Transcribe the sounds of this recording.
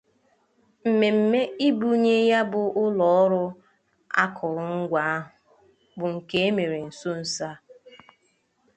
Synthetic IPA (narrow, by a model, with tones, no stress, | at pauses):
m̩˨me˨m̩˨me˦i˦bu˨ɲe˦ja˦bʊ˨ʔʊ˦lɔ˦ɔ˦ɾʊ˦ | a̰˦kʰʊ˨ɾʊ˨ŋ̩˦ɡʷa˨a˦ɦʊ˨ | bʊ˨ŋ̩˨ke˦e˦me˨ɾe˨n̩˨so˦n̩˨sa˦